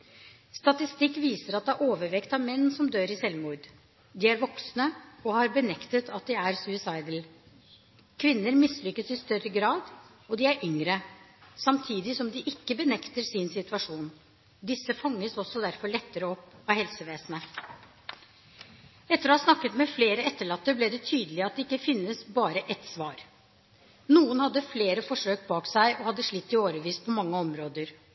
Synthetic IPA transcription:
st̪ɑt̪ɪst̪ɪkːʋiːsəɾɑt̪̚d̪ɛæɾʔoːʋəɾʋɛkt̪ɑʋmɛnːsɔmd̪øːɾɪsɛlmuːɾd̪ | d̪ɪæɾʋɔksnəɔhɑɾbənɛkt̪ət̪ʰɑt̪̚d̪ɪæɾsʉɪsɑɪd̪əl̩ | kʰʋɪnːəɾmɪslʏkːəsɪst̪œrəɡɾɑːd̪ | ɔd̪ɪæɾʔʏŋɾəsɑmt̪ʰiːd̪ɪsɔmd̪ɪʔɪkːəbənɛkt̪əɾsɪnsɪt̪ʉɑʂuːn | d̪ɪsːəfɑŋːəsɔsɔd̪æɾfɔɾɭɛt̪ːəɾəɔpːɑʋhɛlsəʋeːsənə | ɛt̪ːəɾɔhɑːsnɑkːət̪mɛfleːɾəɛt̪ːəɭɑt̪ːəblɪd̪ɛt̪ʰyːd̪əlɪɑt̪̚d̪ɛɪkːəfɪnːəsbɑːɾəʔɛt̪sʋɑːɾ | nuːənhɑd̪ːəfleːɾəfɔʂøːk̚bɑːksæɪʔɔhɑd̪ːəʂɭɪt̪ːɪoːɾəʋiːspʰɔmɑŋːəɔmɾoːd̪əɾ

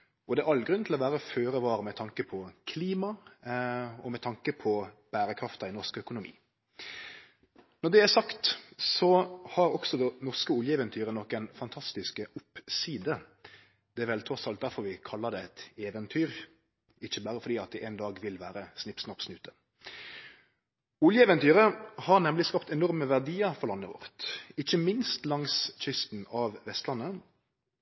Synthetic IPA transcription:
ʔɔd̪ɛæʔɑlːɡɾʉnt̪ʰlɔʋæːɾəføːɾəʋɑːɾəmɛt̪ʰɑŋkəpʰɔkʰliːmɑ | ɔmɛt̪ʰɑŋkəpʰɔ | b̥æːɾəkʰɾɑft̪ɑɪnɔʁskœkʊnʊmḭː | nɔd̪ɛæsɑkt̪sɔhɑɾɔksɔd̪ɛnɔʁskəʊljəɛːʋənt̪ʰyːɾənɔkːænfɑnt̪ʰɑst̪ɪskəʊpːsiːd̪ə | d̪̥ɛæːɾʋɛlt̪ʰɾɔsɑlt̪̚d̪æɾfɔɾʋɪkʰɑlːəd̪ɛɛt̪eːʋənt̪ʰyːɾ | ɪçːəbæːɾəfɔɾd̪iːɑt̪̚d̪ɛʔeːnd̪ɑːɡʋɪlʋæːɾəsnɪpsnɑpsnʉːt̪ə̥ | ʊljəɛːʋɛnt̪ʰyːɾəhɑʁnɛmlɪskɑpt̪ɛnɔʁməʋæʁd̪iːəɾfɔʁlɑnːəʋɔ̰ʁt̪ɪçːəmɪnst̪lɑŋsc͡çʏst̪n̩ɑʋʋɛst̪lɑnːə

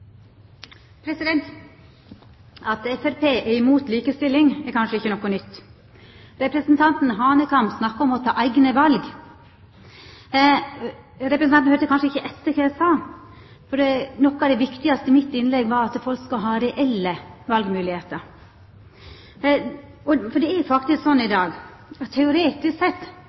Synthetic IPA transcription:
pʰɾɛsɪd̪ɛnt̪ | ɑt̪ɛfæɾpeːʔɛɪmuːt̪liːkəst̪ɪlːɪŋɛɾkʰɑnʂəɪçːənɔkːɔnʏt̪ː | ɾɛpɾəsnt̪ʰɑnt̪n̩ɦɑːnəkʰɑmpsnɑkːəɔmɔt̪ʰɑ̰ːʔæɪɡnəʋɑlɡ | ɾɛpɾəsnɑnnøːɾt̪əkʰɑnʂəɪçːəʔɛt̪ːəɾkʰɑjæɪsɑː | fɔɖɛnɔkːɑʋd̪ɛʋɪkt̪ɪɡɑst̪əɪmɪt̪ːɪnlɛɡʋɑɾɑt̪fɔlkskʉɦɑːɾɛʔɛlːəʋɑlɡmʉːlɪheːt̪əɾ | ɔfɔɖ̪ɛɛjfɑkt̪ɪsksɔnːɪd̪ɑːɡ | t̪ʰɛʊɾeːt̪ɪsksɛt̪ː

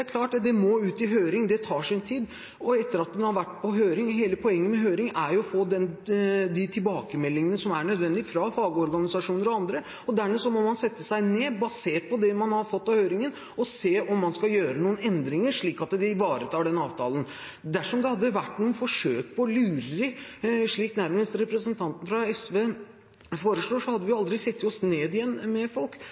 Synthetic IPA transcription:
ɛæɾkʰlɑːʈːd̪ɛmoːʉːt̪ɪɦøːɾɪŋd̪ɛt̪ʰɑːʂɪnt̪ʰiːd̪ | ɔɛt̪ːəɾɑt̪̚d̪ɛnhɑɾʋæʈːpʰɔɦøːɾɪŋɦeːləpʰɔɛŋːənmɛɦøːɾɪŋæɾjʊɔfoːd̪ɛnd̪ɪt̪ʰɪlbɑːkəmɛlːɪŋənəsɔmæɳœd̪ʋɛnd̪ɪfɾɑfɑːɡəɔɾɡɑnɪsɑʂuːnəɾɔɑnd̪ɾə | ɔd̪æɾmɛsɔmɔmɑnsɛt̪ːəsæɪneːbɑseːʈ̪̚pʰɔd̪ɛmɑnhɑɾfɔt̪ːɑhøːɾɪŋən | ɔseːʔɔmːɑnskɑjøːɾənuːənɛnd̪ɾɪŋəɾʂɭiːkɑt̪d̪ɛɪʋɑːɾət̪ʰɑːɖɛnɑːʋt̪ʰɑ̰ːlən | d̪æʂɔmd̪ɛhɑd̪ːəʋæʈːnuːənfɔʂøːk̚pʰɔːlʉːɾəɾɪʂɭiːknæɾməst̪əɾɛpɾəsənt̪ʰɑnt̪n̩fɾɑɛsʋeː | foːɾəʂɭoːʂɔhɑd̪ːəʋɪjʊɑld̪ɾɪsɛt̪ːjɔsneːd̪ɪjɛnːmɛfɔlk

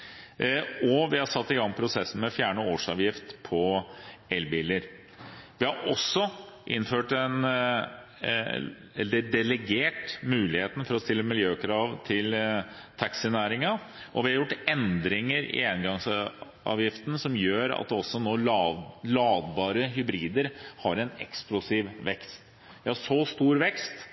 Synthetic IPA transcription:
ɔʋɪhɑɾsɑt̪ːɪɡɑŋpʰɾʊsɛsːn̩mɛɔfjæːɳəoːʂɑ̰ːʋjɪft̪pʰɔɛlbiːləɾ | ʋɪhɑɾʔɔsːɔʔɪnːføːʈɛn | ɛ̰lːəd̪ɛlɛɡeːʈmʉːlɪheːt̪n̩fɔɾɔst̪ɪlːəmɪljøːkʰɾɑːʋt̪ʰɪlt̪ʰɑksɪnæːɾɪŋɑ | ʔɔʋɪhɑɾjʊʈːɛnd̪ɾɪŋəɾɪ̰ɛːnɡɑŋs | ʔɑ̰ːʋjɪft̪n̩sɔmjøːɾɑ̰t̪ɔsːɔnoːlɑːd̪bɑːɾəɦʏbɾiːd̪əɾhɑɾɛnɛ̰ksplʊsiːʋʋɛkst̪ | ʋɪhɑʂost̪uːɾʋɛkst̪

